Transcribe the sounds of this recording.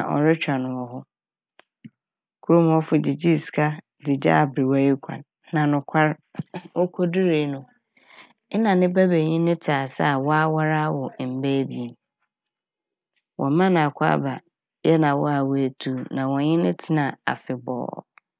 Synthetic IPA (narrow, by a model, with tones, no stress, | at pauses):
a˨ʔɔ̰˨ɾɪ˦t͡ɕᶣa˨nʊ̃˨wɔ˨ɦʊ˦ | kʰu˦ɾʊ˦m˦ɔ˦fʊ˨dɪ˨d͡ʑi˦skʰa˦ | dɪ˨d͡ʑa̰˦˨bɾi˨wa˦ji˦kʷʰã̰˨nː | ã˨nʊ̃˨kʷʰa˦ɾo˦kʰo˦dɪ˦ɾe˨˦nʊ̃˦ | nã˨nɪ̃˦bæ˦be˨ɲɪ̃˦nɪ̃˦tʰa˨sa̰˦˨wɔ˦a˦wa˦ɾa˦wɔ˨m̩˨bæ˦bi˦˨e˨m | wʔɔ̰̃˨˦mã˦nã˨kʷʰa̰˦ba˨ | jɛ˦nã˨wɔ˦a˨wæ˨tʰu˨nã˨wɔ˨ɲɪ̃˦nɪ̃˦tʰɪ˦nã˨a̰˨fɪ˨bɔ̰ː˨˦˨